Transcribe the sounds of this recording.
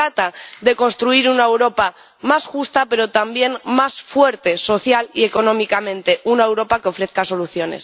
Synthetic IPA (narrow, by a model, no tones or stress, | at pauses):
ɾat̪aðe̞ko̞nst̪ɾuiɾunaewɾo̞pa | masxust̪ape̞ɾo̞t̪ambje̞nmasfwe̞ɾt̪e̞so̞θjalie̞ko̞nõ̞mikamẽ̞nt̪e̞ʔunae̞wɾo̞pakeo̞fɾe̞θkaso̞luθjo̞ne̞̰s